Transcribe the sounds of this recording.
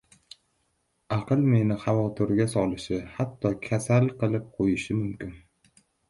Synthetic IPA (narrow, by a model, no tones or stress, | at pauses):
ɑqɨlˠme̞nɪχɑvɒt̪ʰɪɾɡʲasɒlˠɪʃɪhat̪ʰːɒkʲʰasalˠqɨlˠɪp̚qʰojɪʃɪmʊmkʲɪn